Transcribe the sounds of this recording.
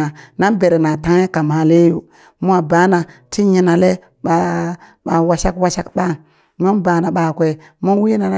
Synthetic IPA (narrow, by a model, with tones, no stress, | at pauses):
a˨na˦nbe˨ɾe˨na˨ta˦ŋ˦e˦ka˨ma˨le˦ju˨ | mu˦a˨ba˨˦na˨ti˦ɲi˦na˨le˦ | ɓa˨ | ɓa˨wa˨ʃa˦kwa˦ʃa˦kɓa˦ŋ | mo˦nba˨na˨ɓa˨kʷe˨ | mo˦wi˦na˨n˦